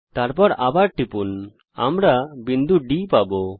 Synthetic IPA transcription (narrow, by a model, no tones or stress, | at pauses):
t̪aɾpɔɾabaɾʈipun | a̰mɾabind̪uɖipabɔ